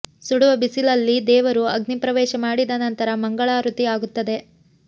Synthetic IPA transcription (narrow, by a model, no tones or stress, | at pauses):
suɽuʋɐbisilɐlːid̪ɛːʋɐɾuɐɡnipɾɐʋɛːʃɐmaːɽid̪ɐnɐnt̪ɐɾɐmɐŋɡɐɭaːɾut̪iaːɡut̪ːɐd̪e̞